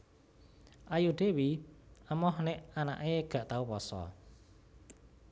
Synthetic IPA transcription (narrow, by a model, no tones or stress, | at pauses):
ʔajud̪̥e̤wiʔəmɔhneʔana̰ʔeɡ̥a̤ʔt̪aupɔsɔ̰